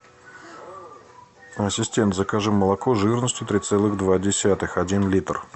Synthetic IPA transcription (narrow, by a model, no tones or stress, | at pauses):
ɐsʲɪsʲtʲent̪zəkaʐɨmmːəlˠɐkoʐɨrnəsʲtʲjʊt̪ɾʲɪt̪sɛlˠɨɣd̪vadʲɪsʲat̪ɨxɐdʲinlʲit̪r